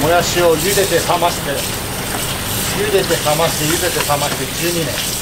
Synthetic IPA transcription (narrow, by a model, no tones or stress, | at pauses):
mojaɕiojɯd̪e̞t̪esamat̪e | jɯd̪e̞t̪esamḁt̪ejɯd̪e̞t̪esamat̪ed͡ʑɨːɲinḛ̃